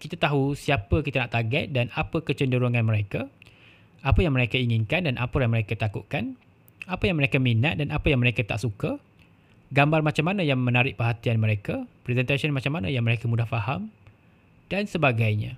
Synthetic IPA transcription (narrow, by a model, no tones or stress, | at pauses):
kit̪at̪aɦusiapəkit̪anaʔt̪aɡɛt̪̚danapəkət͡ʃəndəɾuŋãnmə̃ɾeka | apəjaŋmə̃ɾekaiŋɪnkandanʔa̰pəjaŋmə̃ɾekat̪akuʔ̪̚kan | apəjaŋməɾekaminat̪̚danapəjaŋməɾekat̪a̰ʔsuka | ɡambarmat͡ʃamːanãjaŋmə̃naɾɪʔ̚pəɦat̪ianmə̃ɾekapɾɛzɛnt̪asənmãt͡ʃamanãjaŋməɾekamũdahfaham | d̥ansəbaɡajɲã